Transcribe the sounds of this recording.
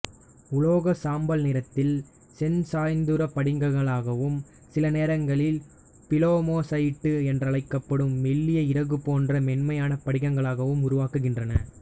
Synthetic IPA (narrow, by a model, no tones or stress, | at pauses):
ʊɭoːɣɐsaːmbɐlnɪɾɐt̪ːɪl | sɛnsaːjnd̪ɯɾɐpɐɽɪŋɡɐɣɐɭaːɣɐʋɯm | sɪlɐneːɾɐŋɡɐɭɪl | pɪloːmoːsɐjʈːɯɛndrɐɭɐɪkːɐpːɐɽɯmːɛlːɪjɐɪɾɐɣɯpoːndrɐmɛnmɐjaːnɐpɐɽɪɣɐŋɡɐɭaːɣɐʋɯmʊɾʊʋaːkɯɣɪndrɐnɐ